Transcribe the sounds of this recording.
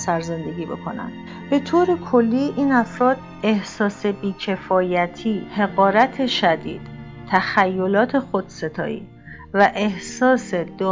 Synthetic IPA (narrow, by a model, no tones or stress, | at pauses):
sæɾze̞nd̪e̞ɡiːbḛkʰo̞næ̰nd̪̥ | b̥e̞t̪ʰoːɾe̞kʰo̞lːiːʔiːnæfɾɒːd̪̥̚ | e̞hsɒːse̞biːcʰe̞fɒːjæt̪ʰiːhe̞ɣɒːɾæt̪ʰe̞ʃæd̪ḭːd̪̥ | t̪ʰːæxæjːolɒːt̪ʰe̞xod̪̥se̞t̪ʰɒ̰ːḭː | væʔe̞hsɒːsed̪